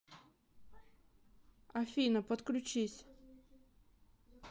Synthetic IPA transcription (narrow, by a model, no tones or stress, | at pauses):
ɐfʲinəpət̪klʲʉt͡ɕisʲ